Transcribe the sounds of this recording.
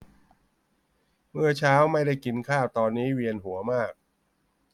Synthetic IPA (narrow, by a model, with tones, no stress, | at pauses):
mɯ˥˩ɐt͡ɕʰaː˦˥wma˥˩jda˥˩jki˧nkʰaː˥˩wt̪ɔː˧nːiː˦˥wi˧ənɦu˩˦ɐmaː˥˩k̚